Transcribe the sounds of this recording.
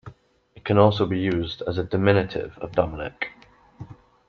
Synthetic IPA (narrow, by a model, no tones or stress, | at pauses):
ɪʔkʰə̃nɔˑlˠs̬oʊbijʉːzdəzədɪmɪnɪtʰɪ̰və̰vdɒmɪnɪ̰k